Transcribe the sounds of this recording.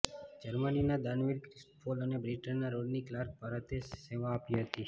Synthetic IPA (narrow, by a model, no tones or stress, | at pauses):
d͡ʒəɾməninad̪anʋiɾkɾɪsʈpʰolənebɾiʈənːaɾoɽniklaɾk̚bʱaɾət̪eseʋãːpiɦət̪i